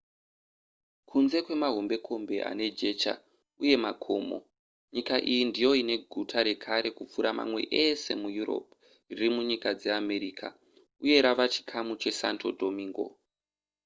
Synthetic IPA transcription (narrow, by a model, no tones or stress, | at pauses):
kʰunze̞kwe̞maɦo̞mbe̞kʰo̞mbe̞ʔa̰ne̞d͡ʒe̞t͡ʃa̰ | uje̞makʰo̞ːmo̞̰ | ɲikaʔijindijo̞ine̞ɡʱutʰaɾe̞kʰaɾe̞kup͡fuɾama̰mwe̞̰ʔese̞mujuro̞̰p̚ | ririmuɲikad͡ze̞ame̞ɾiːkʰa̰ | uje̞ɾaʋat͡ʃi̥kʰamut͡ʃe̞sa̰ntʰo̞dʱo̞miːŋɡo̞̰